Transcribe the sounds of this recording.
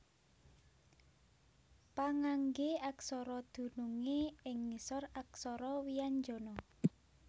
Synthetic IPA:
paŋaŋɡeaksɔɾɔd̪̥ṳnuŋeɪŋnisɔraksɔɾɔwijand͡ʒɔ̤nɔ

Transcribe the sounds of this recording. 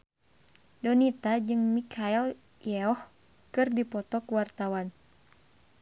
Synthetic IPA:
dɔnit̪ad͡ʒɨŋmikʰail | jɛɔh | kɨrdipɔt̪ɔkuwart̪awan

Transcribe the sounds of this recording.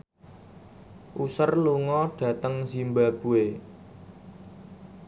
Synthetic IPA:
ʔusərluŋɔɖ̥ä̤t̪əŋsimbab̥ṳe

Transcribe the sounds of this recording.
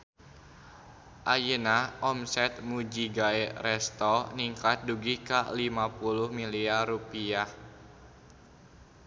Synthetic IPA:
ʔajənaʔɔmsɛt̪̚mud͡ʒiɡaɛrɛst̪ɔniŋkat̪̚duɡikalimapulʊhmiliaɾupiah

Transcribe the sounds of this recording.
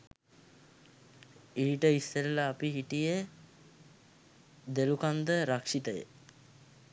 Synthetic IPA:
iːʈəisːeɾlaːpiɦiʈijə | d̪elukand̪əɾakʂit̪əjə̰

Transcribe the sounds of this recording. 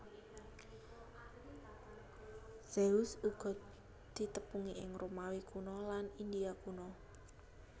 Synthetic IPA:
z̥eusuɡ̥ɔ̤t̪ | d̪̥i̤t̪əpuŋiʔɪ̰ŋromawikunɔlanind̪iakunɔ

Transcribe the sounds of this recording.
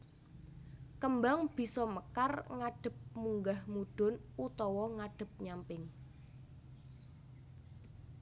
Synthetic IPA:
kəmbaŋb̥i̤sɔməkarŋaɖ̥ə̤p̚muŋɡahmuɖ̥ʊ̤nut̪ɔwɔŋaɖ̥ə̤p̚ɲampɪŋ

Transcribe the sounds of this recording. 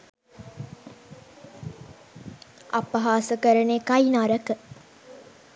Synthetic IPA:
a̰pəɦaːsəkəɾənekajnaɾəkə

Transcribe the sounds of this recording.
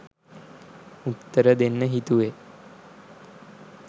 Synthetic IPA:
ut̪ːəɾəd̪enːəɦit̪uʋe

